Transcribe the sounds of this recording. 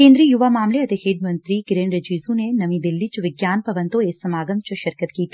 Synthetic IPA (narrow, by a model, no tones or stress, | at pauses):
kẽːnd̪ɾiːjuʋaːmaːmleɐt̪iheːɖmɐnt̪ɾiɡɪɾeːnɾɐd͡ʒiːzunenɐmid̪ilːit͡ʃʋɪɡjaːnpɐʋɐnt̪oeːsɐmaːɡɐmt͡ʃuʃɐɾkɐt̪kiːt̪ʰː